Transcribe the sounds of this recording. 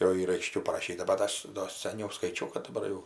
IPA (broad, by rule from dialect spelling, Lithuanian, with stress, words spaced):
jɛʊ ˈiːr ɐɪˈʃʲkʲɛʊ pɐrɐˈʃʲiːtɐ bɐt ˈɐʃ doː sɐˈnʲɛʊ skɐɪˈt͡ʃʲɛʊ kɐt dɐˈbɐr jɛʊ